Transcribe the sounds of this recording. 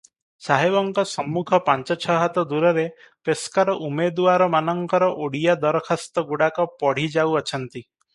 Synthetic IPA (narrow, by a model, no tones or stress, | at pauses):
saɦebɔŋkɔsɔmːukʰɔpaɲt͡ʃɔt͡ʃʰɔɦat̪ɔd̪uɾɔɾe | peskaɾɔʔumed̪uwaɾɔmanɔŋkɔɾɔʔoɽijad̪ɔɾɔkʰɔst̪ɔɡuɽakɔpɔɽ̤id͡ʒawɔt͡ʃʰɔnt̪i